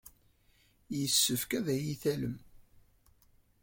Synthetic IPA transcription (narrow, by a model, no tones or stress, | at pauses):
jəsːəfkæðæjiθæləm